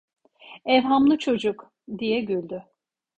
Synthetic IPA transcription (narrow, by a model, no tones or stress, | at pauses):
ɛvɦamlˠɯt͡ʃʰo̞d͡ʒuk | d̪ijɛɟylʲd̪y